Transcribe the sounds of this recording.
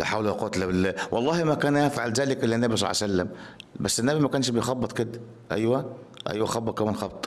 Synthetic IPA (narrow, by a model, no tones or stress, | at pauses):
læħaːwluæqot̪læbelːwʔɑlˤːɑːhimækæːnʔæfʕalzæːlekʔelːænːæbisˤɑ̰lʕ̰sælːæmbæsːenːæbimækæːnʃbejxɑbːɑt̪ˤked̪æ | ʔæ̰jwæ | ʔæ̰jwæxɑbːɑt̪̚kæmænxɑbt̪ˤ